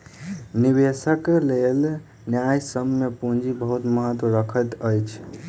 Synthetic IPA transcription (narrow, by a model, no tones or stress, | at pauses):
nibesəklel | njajsəmːepũd͡ʒibəɦut̪məɦət̪wəɾəkʰət̪əjt͡ʃʰ